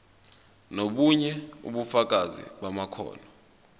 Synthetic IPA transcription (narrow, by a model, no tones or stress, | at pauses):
noɓuɲɛṵɓufak̬ʼazḭɓamakʰɔ̰ːnɔ